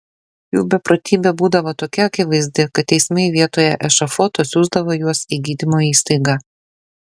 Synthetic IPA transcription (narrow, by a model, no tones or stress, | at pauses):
juːbʲɛpɾot̪ʲiːbʲɛbuːd̪ɐʋoːt̪oːkʲɛɐkʲɪʋɐɪzʲd̪ʲɪkɐt̪ːʲɛɪsʲmʲɛɪʋʲiɛt̪oːjɛʔɛʃɐfot̪osʲuːzd̪ɐʋoːjuɔsiːɡʲiːd̪ʲɪmoːiːst̪ɐɪɡɑː